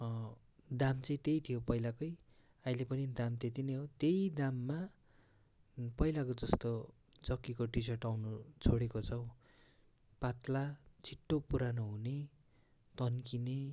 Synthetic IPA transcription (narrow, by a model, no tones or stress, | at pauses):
d̪amt͡sʌĩt̪ejt̪ʰijopʌjlakʌj | ailepʌnid̪amt̪et̪̬inejɦot̪ejd̪amːa | pʌjlakod͡zʌst̪o | d͡zʌkːikoʈis̬ʌrʈawnut͡sʰoɽekot͡sʰʌw | pat̪lat͡sʰiʈːopuɾanoɦune | t̪ʌnkine